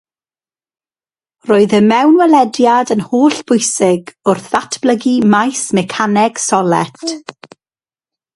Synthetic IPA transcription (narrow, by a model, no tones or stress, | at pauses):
roːɨðəmɛwnwɛlɛdjadənhoːɬb̥ʊɨsɪɡʊrθatʰb̥ləɡimajsmɛkʰanɛɡ̥sɔlˠɛtʰ